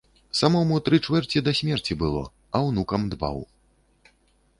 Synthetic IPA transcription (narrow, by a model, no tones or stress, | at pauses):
samɔmut̪ɾɨt͡ʂvɛrt͡sʲid̪ɐsʲmʲɛrt͡sʲibɨlˠɔ̰ | ɐwnukɐmd̪ba̰w